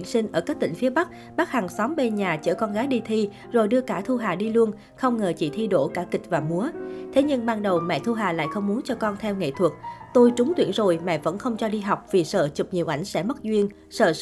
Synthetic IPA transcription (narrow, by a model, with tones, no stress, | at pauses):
nsi˧ŋ̟ʔəː˧˩kaː˦˥k̚t̪ï˧˩ŋ̟fi˨˦əɓa˦˥k̚ | ɓaː˦˥k̚ha˨˩ŋsɔ˨˦mɓe˧ɲaː˨˩t͡ɕə̰ː˧˩kɔ˧nɣaː˨˦jɗi˧t̪ʰi˧ | zo˨˩jɗɨ˧əkaː˧˩t̪ʰu˧ɦaː˨˩ɗi˧lu˧ən | xə˧wŋ͡mŋəː˨˩t͡ɕḭ˧˩t̪ʰi˧ɗo̰˧˩kaː˧˩kï˨˩k̟̚vaː˨˩mu˨˦ət̪ʰe˨˦ɲɨ˧ŋɓaː˧nɗə˨˩wmɛ̰˧˨t̪ʰu˧ɦaː˨˩la̰ː˧˨jxə˧wŋ͡mmu˨˦nt͡ɕɔ˧kɔ˧nt̪ʰɛ˧wŋḛ˧˨t̪ʰwu˨˩t̚t̪o˧jt͡ɕʊ˨˦ŋ͡mt̪wḭ˧˩ənzo˨˩jmɛ̰˧˨və̰˧˥nxə˧wŋ͡mt͡ɕɔ˧ɗi˧ɦa˨˩wk͡p̚vi˨˩sə̰ː˧˩t͡ɕɨ˨˩k͡p̚ɲi˨wʔa˧˩jŋ̟sɛ̰˧˥mə˦˥t̚zwi˧ən | sə̰ː˧˩